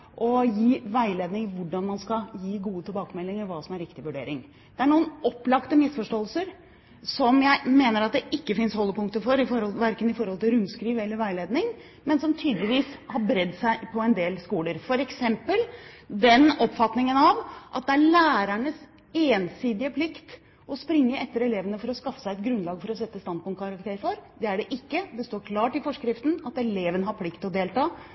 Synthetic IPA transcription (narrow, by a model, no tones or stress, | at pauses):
ʔɔjiːʋæɪleːd̪nɪŋʋʊɖɑnmɑnskɑjiːɡuːət̪ʰɪlbɑːkəmɛlːɪŋəɾʋɑːsɔmæɾɪkt̪ɪʋʉɖḛːɾɪŋ | d̪̥ɛæɳuːənɔpːlɑkt̪əmɪsfɔʂʈoːəlsəɾ | sɔmjæɪmeːnəɾɑt̪̚d̪ɛʔɪkːəfɪnshɔlːəpʊŋkt̪əfɔɾɪfɔɾhɔlʋæɾkənɪfɔɾhɔlt̪ɪlɾʉmskɾiːʋəɛlːəɾʋæɪleːd̪nɪŋ | mɛnsɔmt̪ʰyːd̪lɪʋiːshɑɾbɾɛd̪ːsæɪpʰɔɛnd̪eːlskuːləɾfɔɾɛksɛmpəld̪ɛnɔpːfɑt̪nɪŋənɑʋʔɑt̪̚d̪ɛæɭæːɾæɳəs | eːnsiːd̪ɪəpʰlɪkt̪ | ɔspɾɪŋːəʔɛt̪ːəɾɛleːʋənəfɔɾɔskɑfːə̥sæɪɛt̪ɡɾʉnlɑːɡfɔɾɔsɛt̪ːəst̪ɑnd̪̚pʊnkʰɑɾɑk̚t̪ʰeːɾfɔɾd̪ɛæɖɛʔɪkːəd̪ɛst̪oːɾkʰlɑːʈɪfɔʂkɾɪft̪n̩ɑt̪ɛleːʋənəɦɑɾpʰlɪkt̪ɔd̪eːlt̪ɑː